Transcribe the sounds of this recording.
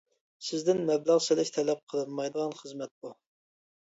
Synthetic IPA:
sɪzd̪ɪnmɛblæʁsɪlɪʃt̪ʰɛlɛp̚qʰəlˠɨnmɑjd̪əʁɑnχəzmɛt̪̚b̥u

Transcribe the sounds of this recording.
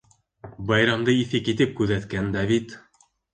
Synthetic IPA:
bɑjɾɑmd̪ɤiθɘkit̪ɘp̚kʉðæt̪kænd̪æβit̪

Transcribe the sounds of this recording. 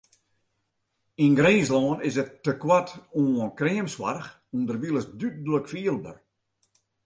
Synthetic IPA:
inɡɾeːslɔːnɪsətːəkwatuənkriːəmswa̰rx | undərʋilˠəsdyt̚ləkfiəlˠbə̰r

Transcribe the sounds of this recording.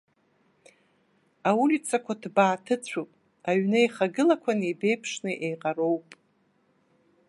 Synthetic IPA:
aulʲit͡sʰʼakʷʰadbaːtʰɨt͡ɕʷʰupʼ | aɥnɨeχaɡɨlakʷʰanejbe̞jpʰʂnɨʔejqʼaɾo̞wpʼ

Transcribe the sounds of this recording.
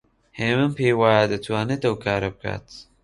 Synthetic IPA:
heːmɨmpʰeːjwaːjad̪ɨt̪ʰwaːnɨt̪ɐwkʰaːɾɐb̚kʰa̰ːt̪

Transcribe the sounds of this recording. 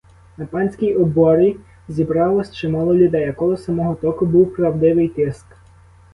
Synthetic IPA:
nɐpɑnʲsʲkʲijɔbɔɾɪ | zʲibɾɑlˠɔsʲt͡ʃɪmɑlˠɔlʲʊd̪ɛjɐkɔlˠɔsɐmɔɦɔt̪ɔkʊbuwpɾɐwd̪ɪʋɪjt̪ɪst̪

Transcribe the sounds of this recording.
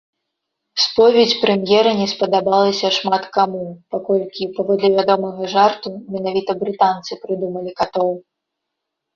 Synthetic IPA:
spɔvʲɛt͡sʲpɾɛmjɛɾɐnʲɛspɐd̪abalˠɐsʲɐʂmat̪kamupakɔlʲkʲipavɔd̪lʲɛvʲad̪ɔmɐɣɐʐart̪umʲɛn̪avʲit̪ɐbɾɨt̪ant̪sɨpɾɨd̪umɐlʲikat̪ɔw

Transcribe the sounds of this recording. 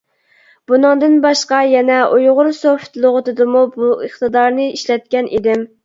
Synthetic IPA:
b̥unɨŋd̪ɨnbɑʃqɑjɛnɛʔujʁʊɾsoft̪lˠʊʁʊt̪ɨd̪ɨmubuəχt̪ɨd̪ɑɾnɨiʃlɛt̪̚kʲɛnʔid̪ɪm

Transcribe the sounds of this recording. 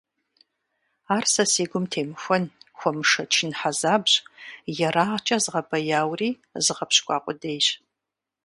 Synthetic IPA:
aːrsɐseːɡʷʊmtʰeːmɨxʷɔnxʷɔmɨʂɐt͡ʃʰɪnħazaːbɕʼjɛraːʁt͡ʃʼɐzʁɐbɐjaːwriː | zɨʁɐpɕkʷʼɑ̰ːqʷʼʊdejɕ

